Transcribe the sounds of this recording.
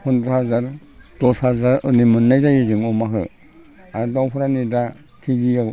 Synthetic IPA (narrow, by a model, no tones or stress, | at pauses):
hundɾɯthazaɾ | d̥ɔshazaɾɯnimɯnːajzajezɯŋɔmaɦɯ̰ | adawpʰuɾanida | kʰiɡija